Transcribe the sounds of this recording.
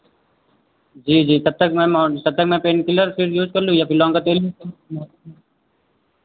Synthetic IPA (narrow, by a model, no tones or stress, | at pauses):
d͡ʒiːd͡ʒiːt̪ɐb̚t̪ɐkmɛ̃mɔːt̪ɐb̚t̪ɐk̚mɛ̃peːnkɪləɾpʰɪɾjuːd͡ʒkɐɾlũjapʰɪɾlɔ̃ːŋkat̪eːljuːd͡ʒkɐmɔː